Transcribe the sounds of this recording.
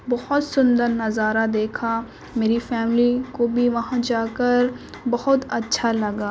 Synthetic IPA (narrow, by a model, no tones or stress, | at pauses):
bɐhʊt̪sʊnd̪əɾnːɐzaːɾad̪eːkʰa | meːɾifɛːmlikobʱiʋɐɦãd͡ʒaːkəɾ | bɐhʊt̪ɐtːʃʰalɐɡaː